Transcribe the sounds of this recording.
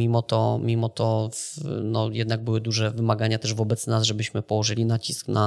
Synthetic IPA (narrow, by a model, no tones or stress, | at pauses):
imɔt̪ɔmʲimɔt̪ɔfnɔjɛd̪naɡ̚bɘwɘd̪uʐɛvɘmaɡaɲat̪ɛʐvɔbɛt̪snazʐɛbɘɕmɘpɔwɔʐɘlʲinat͡ɕiskna